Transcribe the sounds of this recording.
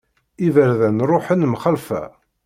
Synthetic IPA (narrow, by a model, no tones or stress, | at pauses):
ivəɾðænɾˤoħənmχəlfæ̰